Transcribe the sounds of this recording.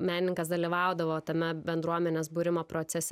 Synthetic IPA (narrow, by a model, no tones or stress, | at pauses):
mʲæːnʲɪnʲɪŋkɐsd̪ɐlʲiʋɑʊd̪ɐʋoːt̪ɐmʲɛbʲɛnd̪ɾuɔmʲɛnʲeːsbʊːɾʲɪmoːpɾoːt̪sʲɛsʲ